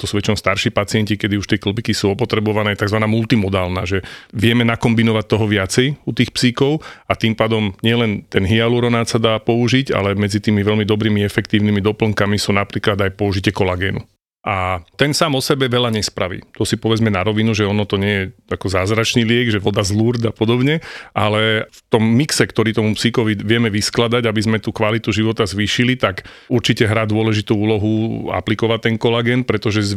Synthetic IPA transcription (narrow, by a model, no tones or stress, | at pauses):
t̪ɔsuːʋɛt͡ʃɛmst̪aɾʃipat͡siɪɛncikɛd̪iuʃt̪ɪɛkl̩bikisuɔpɔt̪ɾɛbɔʋanɛːt̪aɡzʋanaːmult̪imɔd̪aːlnaːʒɛʋɪɛmɛnakɔmbinɔʋac̚t̪ɔɦɔʋɪat͡sɛjut̪iːxpsiːkɔʊat̪impaːd̪ɔmɲɪɛlɛnt̪ɛnɦialuɾɔnaːt̪sad̪aːpɔuʒica̰lɛmɛd͡zit̪iːmiʋɛlmid̪ɔbɾiːmiɛfɛkt̪iːʊnimid̪ɔpl̩ŋkamisuːnapɾiːklad̪ajpɔuʒicɪɛkɔlaɡɛːnṵ | ʔat̪ɛnsaːmɔsɛbɛʋɛʎaɲɛspɾaʋḭːt̪ɔsipɔʋɛd͡zmɛnaɾɔʋinuʒɛɔnɔt̪ɔɲɪɛjɛakɔzaːzɾat͡ʃniːlɪɛɡʒɛʋɔd̪azluɾd̪apɔd̪ɔbɲɛʔalɛft̪ɔmːiksɛkt̪ɔɾiːt̪ɔmupsikɔʋiʋɪɛmɛʋisklad̪aɟabizmɛt̪ukʋalit̪uʒiʋɔt̪azʋiːʃilit̪ak | uɾt͡ʃicɛɦɾaːd̪ʊɔlɛʒit̪uuːlɔɦua̰plikɔʋat̪ːɛnkɔlaɡɛːnpɾɛt̪ɔʒɛz